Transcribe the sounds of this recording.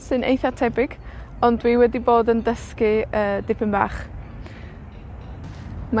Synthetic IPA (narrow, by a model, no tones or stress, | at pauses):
sɨnʔḛjθatʰɛbɪɡ̥ | ɔndwiːwɛdiboːdəndəskɪəːdɪpʰɪnba̰ːχ | ma